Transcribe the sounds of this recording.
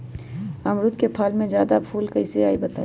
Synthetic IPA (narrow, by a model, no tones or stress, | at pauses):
əmɾʊt̪kepʰalmẽd͡ʒjaːd̪apʰuːlkəɪseaibət̪a̰